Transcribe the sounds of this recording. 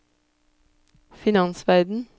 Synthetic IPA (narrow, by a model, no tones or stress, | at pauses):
fɪnɑnsʋæɾd̪n̩